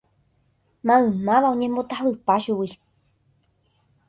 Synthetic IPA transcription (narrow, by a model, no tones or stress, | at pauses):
mãɨ̃mãʋaõɲẽmbo̞t̪ahʋɨpaʃuwi